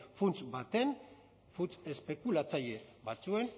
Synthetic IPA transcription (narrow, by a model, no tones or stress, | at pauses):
funt͡sbat̪e̞n | fut͡se̞spe̞kulat͡saʎe̞βat͡sue̞n